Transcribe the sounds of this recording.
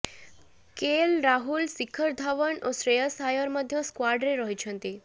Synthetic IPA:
kelɾaɦulsikʰəɾd̪ʱaʋəɳosɾeəsajəɾməd̪ʱjõskwaɖɾeɾəɦit͡ʃʰə̃nt̪i

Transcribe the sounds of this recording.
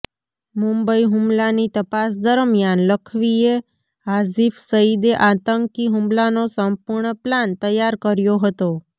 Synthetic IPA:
mumbəiɦʊmlanit̪əpasd̪əɾmjanləkʰʋie | azifsəid̪eʔat̪əŋkiɦũmlanosəmpuɾɳəplant̪əjaɾkəɾjoɦət̪o

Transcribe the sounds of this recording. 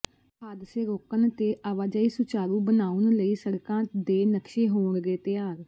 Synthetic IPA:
pʰaːd̪seːɾoːkənt̪eːʔaːʋaːd͡ʒaːiːsʊt͡ʃaːɾũːbənaːʊnləiːsəɾkãːd̪eːnəkʃeːɦoːɳd̪eːt̪ɪjaːɾ

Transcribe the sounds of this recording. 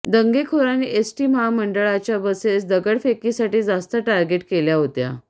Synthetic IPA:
d̪əŋɡekʰoɾaniʔesʈiːmɦaməɳɖəɭat͡ɕjabəsesd̪əɡəɽfekisaʈiːd͡zast̪əʈaɾɡeʈkeljaɦot̪ja̰

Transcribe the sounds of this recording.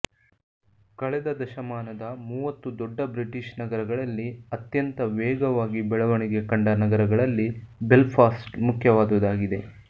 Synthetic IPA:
kɐɭɛd̪ɐd̪ɐʃɐmaːnɐd̪ɐmuːʋɐt̪ːud̪ɔɖːɐbɾiʈiʃnɐɡɐɾɐɡɐɭɐlːiɐt̪jɐnt̪ɐʋɛːɡɐʋaːɡibɛɭɐʋɐɳiɡe̞kɐɳɖɐnɐɡɐɾɐɡɐɭɐlːibelpʰaːsʈmukʰjɐʋaːd̪ɐʋud̪aːɡid̪e̞

